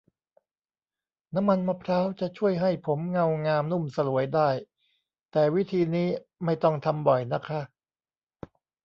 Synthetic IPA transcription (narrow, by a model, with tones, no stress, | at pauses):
na˦˥mːa˧nma˧pʰɾaː˦˥wt͡ɕa˨˩t͡ɕʰu˥˩əjɦa˥˩jpʰo˩˦mŋa˧wŋaː˧mnu˥˩msa˧lu˩˦əjdaː˥˩j | t̪ɛː˨˩wi˦˥t̪ʰiː˧niː˦˥ma˥˩jt̪ɔ˥˩ŋt̪ʰa˧mbɔ˨˩jna˦˥kʰa˦˥ʔ